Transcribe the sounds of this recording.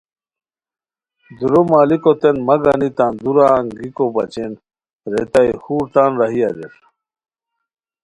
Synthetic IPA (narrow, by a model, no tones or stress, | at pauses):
d̪uɾomaːlikot̪enmɐɡɐnit̪aːnd̪uɾaːŋɡikobɐ̰t͡ɕen | ɾet̪ajhuːɾt̪aːnɾɐɦiɐɾeɾ